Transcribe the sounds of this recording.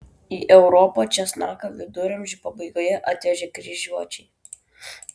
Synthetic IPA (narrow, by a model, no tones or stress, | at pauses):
iːʔɛʊɾɔpot͡ʃʲɛsnɑːkɐʋʲɪd̪ʊɾʲɐmʲʒʲɪpɐbɐɪɡoːjɛʔɐt̪ʲʋʲɛʒʲɛkɾʲɪʒʲuɔt͡ʃʲɛɪ